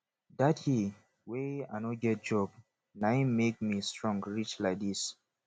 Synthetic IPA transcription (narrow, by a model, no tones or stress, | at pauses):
dathi | wea̰ɪnɔɡɛt̚d͡ʒɔb̚ | naɪ̃mek̚mistɹɔ̃ŋɡɹit͡ʃlaɪk̚dis